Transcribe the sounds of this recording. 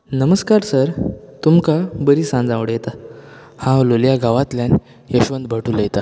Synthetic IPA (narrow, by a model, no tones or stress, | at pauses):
nəməskaɾsəɾt̪umkabəɾiːsãnd͡zãʋɽəjet̪a | hãloljaɡaʋãt̪ljan | jəɕʋənd̪̚bʱəʈuːljet̪a